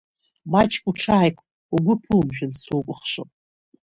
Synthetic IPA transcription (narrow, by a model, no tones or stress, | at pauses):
mat͡ʃʰʼkʷʼuʈ͡ʂʰaːjkʷʼ | uɡʷʊpʰɨlmʒᶣʊnsukʷʼʊχʃo̰pʼ